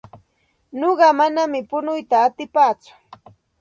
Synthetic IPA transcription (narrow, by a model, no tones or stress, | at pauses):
noɢɑmanamɪpʊnʊjt̪aːt̪ɪpaːt͡sʊ̥